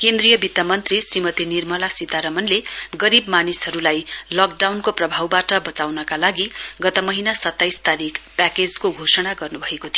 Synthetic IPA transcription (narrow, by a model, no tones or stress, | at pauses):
kend̪rijʌbit̪amʌnt̪risrimʌt̪inirmʌlasit̪aɾʌmʌnleɡʌɾibmanisɦʌɾulajlʌk̚ɖawnkoprʌbʱawbaʈʌbʌt͡sawnʌkalaɡiɡʌt̪ʌmʌɦinasʌt̪ːajst̪aɾikʰpaked͡zkoɡʱosʌɽaɡʌrnubʱʌekot̪ʰij